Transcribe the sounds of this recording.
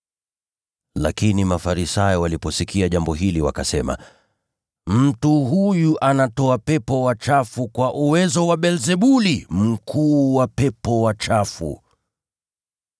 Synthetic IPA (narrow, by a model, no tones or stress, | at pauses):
la̰kinimafaɾisajɔwalipɔsikiaʄambɔɦiliwa̰kasɛma̰ | m̩tuɦujuʔanatɔapɛpɔwat͡ʃafukwaʔuwɛzɔwaɓɛlzɛɓulim̩kʰuːwapɛpɔwat͡ʃafṵ